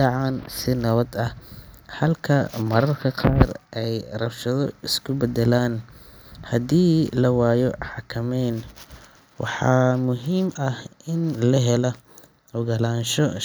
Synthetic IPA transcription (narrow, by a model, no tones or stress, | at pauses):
ɑʕɑnsɪnɐβɐd̪ɐhhɐlkʰɐmɐɾɐrkʰɐqʰɑːrʔɛjrɐwʃɐðɔɪskʰʊbɛd̪ɛlaːn | hɐd̪iːlɐwaːjɔħɑkʰɐmɛːn | wɑ̰ħɑːmʊɦiːmɐhʔɪnlɐɦɛlɐ | ʔʊɣɐlaːnʃɔ